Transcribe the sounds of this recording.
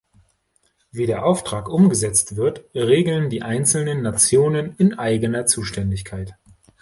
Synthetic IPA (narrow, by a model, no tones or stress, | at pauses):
viːdeːɐʔaʊftʁ̥aːkʔʊmɡəzɛt͡stv̥ɪɐtʁeːɡl̩ndiːʔaɪnt͡sl̩nənːat͡sjoːnənɪnʔaɪɡənɐt͡suːʃtɛndɪçkʰaɪt